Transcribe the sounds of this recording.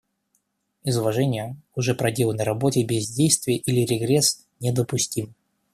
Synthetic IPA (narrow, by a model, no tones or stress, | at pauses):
ɪzʊvɐʐɛnʲɪjəʊʐɛpɾɐdʲe̞lˠənəɾɐbo̞tʲɪbʲɪzʲdʲejst̪vʲɪjəʔilʲɪɾʲɪɡɾʲes | nʲɛd̪əpʊsʲtʲim